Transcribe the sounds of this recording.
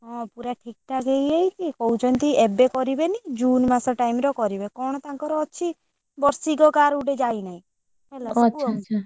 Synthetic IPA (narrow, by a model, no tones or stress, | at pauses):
ɦɔ̃puɾaʈʰik̚ʈaɡeiait̪ʰikɔut͡ʃʰɔnt̪iɛbekɔɾibenid͡ʒuːnmãsɔ̃ʈaimɾɔkɔɾibekɔɳ̃t̪ãŋkɔɾɔːʃʰi | bɔɾsiɡɔkaɾuɖed͡ʒainaĩ | ɛlaɔʃaʃʰa